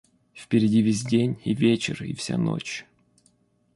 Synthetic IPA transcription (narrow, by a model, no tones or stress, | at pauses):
fpʲɪɾʲɪdʲivʲes̬ʲdʲenʲivʲet͡ɕɪ̰rḭfsʲa̰no̰t͡ɕ